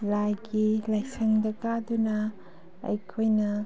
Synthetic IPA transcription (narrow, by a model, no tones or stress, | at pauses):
lajɡilɐjsɐŋdɐkadunɐ | ɐ̰jkʰojnɐ